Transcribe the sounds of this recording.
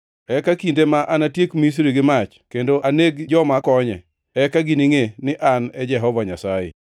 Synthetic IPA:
ɛkakindemaʔanatjekmis̬ɾiɡɪmat͡ʃkendoʔaneɡd͡ʒɔmakɔɲɛ̰ | ɛkaɡiniŋenɪʔanɛd͡ʒɛɦɔvaɲasajḛ

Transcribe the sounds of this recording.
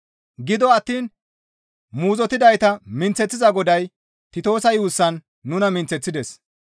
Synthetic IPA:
ɡɪd̪ɔɐt̪ːiːn | muːzɔt̪ɪd̪ɐjt̪ɐmɪnt͡sːɛt͡sːɪzɐɡɔd̪ɐj | t̪ɪt̪o̞ːsɐjuːsːɐnː | ʊnɐmɪnt͡sɛt͡sːɪd̪ɛs

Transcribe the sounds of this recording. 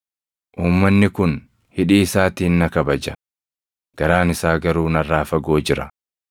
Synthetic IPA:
ʔuːmːɐnːɪkʊn | hɪᶑiːɪsaːt̪iːnːɐkɐbɐd͡ʒɐ | ɡ̥ɐɾaːnɪsaːɡɐɾuːnɐrːaːfɐɡo̞ːd͡ʒɪɾɐ̰

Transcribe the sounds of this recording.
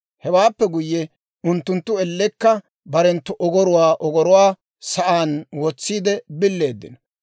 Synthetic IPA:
hɛwaːpːɛɡʊjːɛ | ʊnt̪ːʊnt̪ːʊɛlːɛkːɐ | bɐɾɛnt̪ːʊʔɔɡɔɾʊwaːʔɔɡɔɾʊwaː | sɐʔaːnwɔt͡sːiːd̪ɛbɪlːe̞ːd̪ːɪ̰nɐ

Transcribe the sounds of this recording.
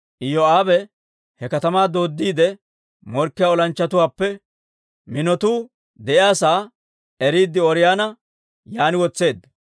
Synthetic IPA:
ʔɪjɔaːbɛ | hɛkɐt̪ɐmaːd̪o̞ːd̪ːiːd̪ɛ | mɔɾkːɪjaːɔlɐnt͡ʃːɐt̪ʊwaːpːɛ | mɪnɔt̪uː | d̪ɛʔɪjaːsaː | ɛɾiːd̪ːɪɔɾɪjaːnɐ | jaːnɪwɔt͡sːe̞ːd̪ːɐ

